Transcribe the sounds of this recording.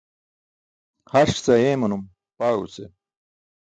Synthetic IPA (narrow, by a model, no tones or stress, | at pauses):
hɐʂt͡sɐeːmunum | paːṵt͡sḛ